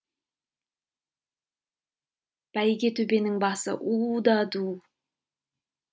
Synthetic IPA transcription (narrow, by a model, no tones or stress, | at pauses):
b̥æjɡʲe̞t̪ʰɵbe̞nɪŋbɑsə̰ʔud̪ɑd̪u